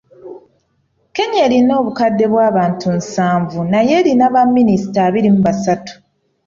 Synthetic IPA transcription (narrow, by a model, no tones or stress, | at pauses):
ke̞ɲeːlino̞ːβukadːe̞βwaːβaːntʰunsaːɱvunaje̞ːlinaβamːinisi̥taːβiɾimuβasatu̥